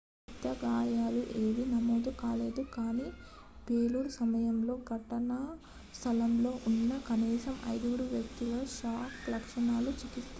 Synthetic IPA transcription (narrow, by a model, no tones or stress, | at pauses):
t̪ːɐɡaːjaːluʔe̞ːʋinɐmoːd̪ukaːle̞ːd̪ukaːniː | peːluɾusɐmɐjɐmlo̞ːɡʱɐʈɐnɐ | st̪ʰɐlɐmlo̞ːʔunːɐkɐniːsɐmɐ̰jd̪uɡuɽuʋjɐk̚t̪iɡɐʃaːklɐkʂɐɳaːlut͡ʃikist̪